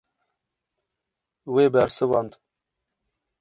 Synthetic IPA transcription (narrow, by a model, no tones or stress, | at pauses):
weːbæɾsɨwɑnd̪